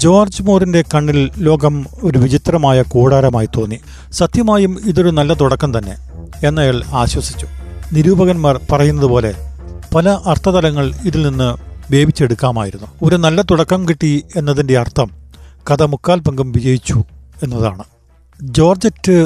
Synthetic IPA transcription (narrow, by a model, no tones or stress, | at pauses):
d͡ʑo̞ːrd͡ʑmoːrinde̞kɐɳːilːo̞ːɡɐmo̞ɾuʋid͡ʑit̪rɐmaːjɐkoːɽaːɾɐmaːjit̪o̞ːnːi | sɐt̪jɐmaːjumiðoɾunɐlːɐt̪̬uɽɐkːɐmt̪ɐnːe̞̰ | enːɐjaːɭaːɕwɐsi̥t͡ɕːu̥niɾuːbɐɣɐnmaːrpɐrɐjunːɐðupo̞ːle̞̰pɐlɐʔɐrt̪ʰɐt̪ɐlɐŋːɐɭiðilninːɨʋe̞ːbʱit͡ɕːe̞ɽukːaːma̰ːjiɾunːuo̞ɾunɐlːɐt̪uɽɐkːɐmkiʈːie̞nːɐðinde̞ɐrt̪ʰːɐmkɐðɐmukːaːlbɐŋɡɐmʋid͡ʑɐjit͡ɕːue̞nːɐða̰ːɳɨ | d͡ʑo̞ːrd͡ʑɐtːɨ